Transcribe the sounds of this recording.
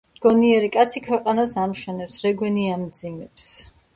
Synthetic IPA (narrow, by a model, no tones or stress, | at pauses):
ɡ̥ɔniɛɾikʼat̪sʰikʰwɛqʼanasamʃɛnɛpsɾɛɡwɛniamd̪zimɛps